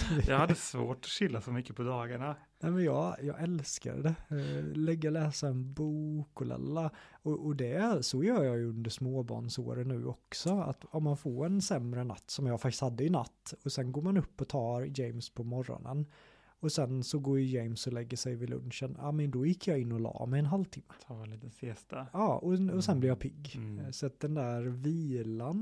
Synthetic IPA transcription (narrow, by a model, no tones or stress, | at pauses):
jɑ̰had̪ːəsvo̰ːʈɔ̥ɕɪlːafœɾmʏkːəpʰɔd̪ɑːɡaɳa | nɛmɛnjɑːjɑ̰ːɡɛlska̰ɾɖɛlɛɡːəlɛːsaɛnbuːkɔlɛ̰lːaɔʔɔd̪ɛsɔjœːɾjɑːjɵɵnd̪əʂmoːbɑ̰ːɳso̰ːɾənːʉ̟̰ːʔɔksɔa̰t̪ɔmːanfoːɾɛnsɛmɾəna̰t̪ːsɔmjɑːfak̚t̪ɪ̥shad̪ːəɪna̰t̪ːɔsɛnɡoːɾmanɵpːɔt̪ʰɑːɾjɛjmspʰɔmɔɾɔ̰nə̰n | ɔsɛnsɔɡoːjɛjmsɔlɛɡːəʂɛjvɪlɵ̰nʂəna̰ːmɛnd̪ɔjɪkʰːjɑːɪnːɔlɑ̰ːmɛjɛnɦalːt̪ʰɪmːəliːt̪əsest̪aɑːɔɔsɛnblɪɾjɑːpʰɪɡːsɔat̪̚d̪ɛnd̪æɾviːlan